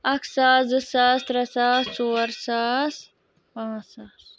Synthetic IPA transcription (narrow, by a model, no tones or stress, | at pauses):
ɐksaːzɨsaːst̪ɾɐsaːssoːɾsaːs | pãːaːs